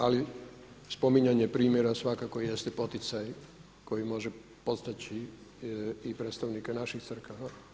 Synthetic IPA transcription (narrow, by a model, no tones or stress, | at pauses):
ali | spo̞miɲaɲepɾiːmjeɾasʋakakojest̪epo̞t̪it̪saj | ko̞jimo̞ʒe | po̞t̪st̪at͡ɕiː | pɾet̪st̪aʋnikenaʃixt̪sr̩kaʋa